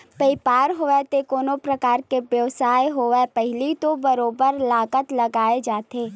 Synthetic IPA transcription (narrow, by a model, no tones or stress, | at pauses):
peːpaːɾɦoːʋɛt̪ekoːnopɾəkaːɾkeʋjɐʋsaːeɦoːʋɛpɛɦɪlit̪obɐɾoːbəɾlaːkət̪lɐɡaːed͡ʒaːt̪eː